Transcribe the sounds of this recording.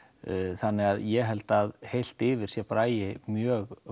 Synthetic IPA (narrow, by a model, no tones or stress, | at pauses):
θanːɪɣaðjɛɦɛlt̪aðhejl̥t̪ɪːvɪɾ̥sjɛpɾaːjɪmjœːɣ